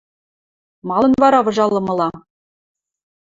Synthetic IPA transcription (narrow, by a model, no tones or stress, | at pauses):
mɑlˠɤ̆nvɑɾɑvɤ̆ʒɑlˠːɤ̆mɤ̆lˠɑ